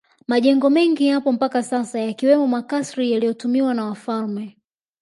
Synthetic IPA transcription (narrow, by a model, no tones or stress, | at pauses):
maʄɛŋɡɔmɛŋɡihapɔm̩pakasasajakiwɛmɔmakasɾijalijɔtumiwanawafalmɛ